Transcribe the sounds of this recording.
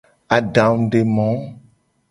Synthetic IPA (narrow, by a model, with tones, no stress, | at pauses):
a˨ɖã˨m˨ɖe˨mɔ̃˨˦